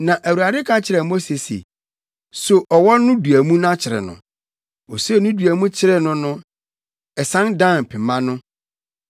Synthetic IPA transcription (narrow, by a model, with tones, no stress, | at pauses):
nã˨ʔæ˨wu˨ɾa˨dɪ˦kʰã˦t͡ɕʰɪ˨ɾɛ˨mo˦se˨sḛ˨ | so˨ʔɔ˨wɔ˦nʊ̃˦du˨æ˨mũ˦ñ˦ã˦t͡ɕʰɪ˨ɾɛ̰˨nʊ̰̃˨ | ɔ˨se˦˨nʊ̃˦du˨æ˨mũ˦t͡ɕʰɪ˦ɾɛ˦nʊ̃˦nʊ̃˦ | ɛ˨sã˦ndã˦˨n˨pʰɪ˨mã˦nʊ̃˦